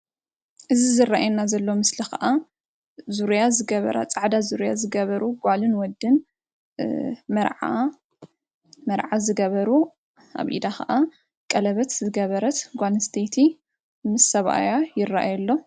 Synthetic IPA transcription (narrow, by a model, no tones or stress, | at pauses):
ʔɨzizɨrːaʔajɛnːazɐlːomɨslixɐ̰ʔa | zuɾjazɨɡɐβɐ̰ɾa̰t͡sʼaʕd̪azuɾjazɨɡɐβɐɾuɡʷalɨnwɔd̪ːɨn | mɐɾʕa | mɐɾʕazɨɡɐβɐɾu | a̰βʔḭd̪axɐʔa | kʼɐlɐβɐt̪zɨɡɐβɐɾɐt̪ɡʷalɨst̪ʰet̪ʰi | mɨsːɐβa̰jajɪrːaʔajɐlːo̞